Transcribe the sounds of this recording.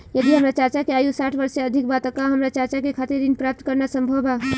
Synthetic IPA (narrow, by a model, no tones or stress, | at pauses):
jɐd̪iɦɐmɾat͡ʃaɾt͡ʃakeaːjusaːʈʰbɐɾseɐd̪ʱɪkbaːt̪əkaɦɐmɾat͡ʃaɾt͡ʃakekʰaːt̪eɾd̪ɪnpɾaːp̚t̪kɐɾnasɐ̃mbʱəba